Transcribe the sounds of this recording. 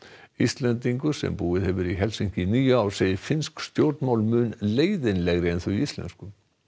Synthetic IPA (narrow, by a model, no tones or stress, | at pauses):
ist̪lɛnt̪̬iŋkʏsɛ̰mpuːɪðhɛvʏɾiɦɛlsiɲ̥cɪniːjʏaːwɾ̥seːjɪfɪnskst̪jowɾt̪nmawlmʏːnleːjðɪnlɛɣɾɪɛnθœiist̪lɛ̰nskʏ